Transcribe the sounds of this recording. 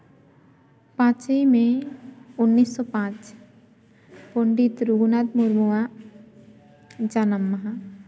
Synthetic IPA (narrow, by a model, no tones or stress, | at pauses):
pãːt͡ʃəimẽʊnːiːsːɔpãːt͡ʃ | pʊɳɖit̪ɾuɡunad̪muɾmua | d͡ʒanəmːəɦa